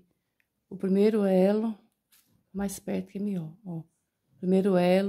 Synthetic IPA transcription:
ʊpɾimejɾʊɛlʊ | majspɛɾt̪ʊ̥kɛmiɔɾo | pɾimejɾʊɛl

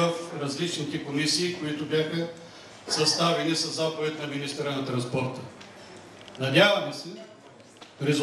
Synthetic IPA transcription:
əfɾɐzlit͡ʃnit̪ɛkomisiːkoit̪ʊbjaxə | sɐst̪avɛnisɐzapovɛt̪nɐminist̪ɾənɐt̪ɾɐnspɔɾt̪ə | nɐd̪ʲavɐmɛsɛ | ɾɛz

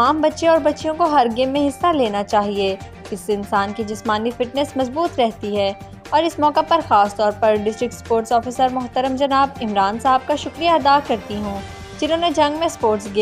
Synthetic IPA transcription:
aːmbɐtːʃẽɔːɾbɐtːʃijõkoɦɐɾɡɪ̃mːẽɦɪsːaleːnat͡ʃaːɦieː | kɪsːeɪnsaːnked͡ʒɪsmaːnifɪʈnɛsmɐzbuːt̪ɾɛɦt̪iɦɛː | ɔːɾɪsmɔːkapɐɾxaːst̪ɔːɾpɐɾɖɪsʈɾɪk̚ʈspoːɾʈsɔːfiːsəɾmʊɦt̪əɾəmd͡ʒɐnaːbɪmɾaːnsaɦəb̚kaʃʊkɾijaɐd̪aːkɐɾt̪iɦũː | d͡ʒɪnɦõːned͡ʒɐ̃ŋɡmẽspoːɾʈsɡia

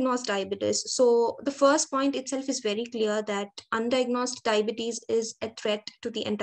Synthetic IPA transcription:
ɡnoːsʈɖaɪbɪʈɪ̰ssoːd̪əfəɾsʈ̚pɔ̃ɪ̃ɳʈɪʈsɛlfɪzʋɛɾikliəɾd̪æʈʔʌ̃nɖaɪɡnoːsʈɖaɪbɪʈizɪzet̪ʰɾɛʈːud̪iʔɛ̰̃ɳʈ

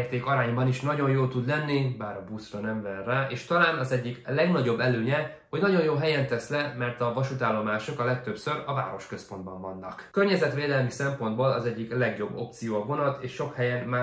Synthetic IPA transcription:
rt̪eːkɒɾaːɲbɒniʃnɒɟo̞njoːlt̪ud̪lɛnːibaːɾɒbuːsrɒnɛmvɛnːaːʔeːʃt̪ɒlaːnɒzɛɟːiklɛɡnɒɟo̞bːɛløːɲɛ | ho̞ɟnɒɟo̞njoːɦɛjɛnt̪ɛslɛmɛrt̪ɒvɒʃut̪aːlːo̞maːʃokɒlɛk̚t̪øpsø̞ɾɒva̰ːɾo̞ʃkø̞spo̞nd̪̚bɒɱvɒnːɒ̰kkørɲɛzɛt̪ʋeːd̪ɛlmisɛmpo̞nd̪boːlɒzɛɟːiklɛɡjo̞bːo̞pt̪sijoːɒvo̞nɒt̪eːʃːo̞khɛjɛnmaː

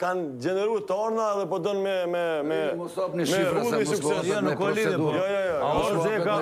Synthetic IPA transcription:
kand͡ʒɛnɛɾujt̪ɔɾnaɛðɛpɔd̪ɔnmɛmɛmɛ | mɛɾulmɛssuksɛsnklijɔjɔjɔjsɛka

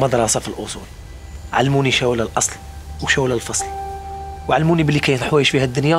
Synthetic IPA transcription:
mɑd̪ɾˤɑsɑfilʔosˤṵl | ʕa̰lːmuniʃæwlælʔɑsˤl | wʃæwlælfɑsˤl | wʕalːmunibəlːikæjt̪ħwæjəʃfihæd̪ːʊnjæ

